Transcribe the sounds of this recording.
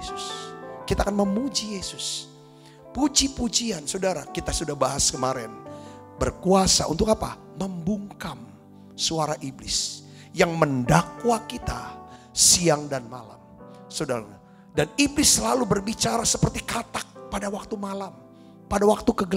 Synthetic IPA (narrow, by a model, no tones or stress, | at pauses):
esʊ̥skit̪akanməmud͡ʒijesʊs | pud͡ʒipud͡ʒiansodaɾakit̪asudahbaɦaskəmaɾɛn | bərkuasa̰ʔṵnt̪ʊkapa̰ | məmbuŋkam | suaɾaʔiblɪ̰s | jaŋməndakwakit̪a | siaŋdanmala̰msodaɾaɲa | daniblɪsəlalubərbit͡ʃaɾasəpərt̪ikat̪ak̚padawak̚t̪umalam | padawak̚t̪ukəɡə